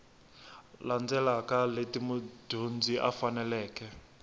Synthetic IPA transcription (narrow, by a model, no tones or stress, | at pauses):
land͡zɛlakaletimud̥ʱund͡ziʔa̰fanɛlɛːkɛ